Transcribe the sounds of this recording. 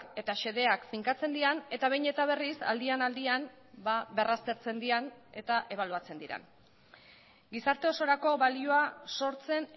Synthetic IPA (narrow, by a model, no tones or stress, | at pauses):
ke̞t̪aʃe̞ð̞e̞akfiŋkat͡se̞nd̪iɾane̞t̪aβejɲe̞t̪aβ̞e̞risa̰ld̪ianald̪ian | baβe̞rast̪e̞ɾt͡se̞nd̪iane̞t̪aʔe̞β̞aluat͡se̞nd̪iɾa̰n | ɡisaɾt̪e̞o̞so̞ɾako̞βalio̞aso̞ɾt͡se̞n